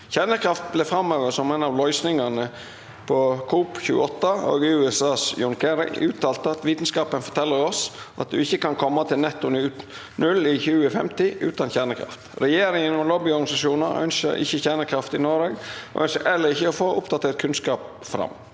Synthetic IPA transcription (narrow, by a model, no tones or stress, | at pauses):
çæɳəkʰɾɑft̪̚blɛfɾɑmːøːʋəsɔmɛnɑʋlɔʏsnɪŋɑnə | pʰɔkʰuːpçʉ̰ːəɔt̪ːəo̰ːɡɪʉːɛsɑːsjʊŋkʰəɾɪ̰ʔʉːt̪ʰːɑːlt̪əɑt̪ʋiːt̪ən̩skɑːpənfɔʈ̪ʰɛlːəɾɔsʔɑt̪̚d̪ʉɪçːəkɑnkʰɔmːɑt̪ʰɪlnɛt̪ːʊnʉː | nʉlɪçʉːəfɛ̰mt̪ɪʔʉ̰ːt̪ɑnçæːɳəkʰɾɑ̰ft̪ɾɛjeːɾɪŋənɔlɔbɪɔɾɡɑnɪsɑʂuːnəɾœ̰nçə̰ɾɪ̰çːəçæɳəkʰɾɑft̪ɪnoːɾeːɡɔ̰ʔœnçəɾʔɛlːəɾɪçːəɔfoːʔʊpd̪ɑt̪ʰɛt̪̚kʰʉnskɑːp | fɾɑ̰mː